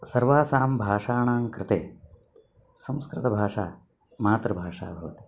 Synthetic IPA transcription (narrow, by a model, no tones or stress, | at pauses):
sɐɾʋaːsaːmbʱaːʂaːɳaːmkɾɪt̪eː | sɐ̃mskɾɪt̪ɐbʱaːʂa̰ː | maːt̪ɾɐbʱaːʂa̰ːbʱɐʋɐt̪i̥